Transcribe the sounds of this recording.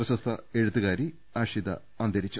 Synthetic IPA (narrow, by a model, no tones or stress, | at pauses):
ɾɐɕɐst̪ʰɐeɻut̪ːuɣaːɾi | aːʂid̪ɐ̰ | ɐnd̪ɐɾit͡ɕːu̥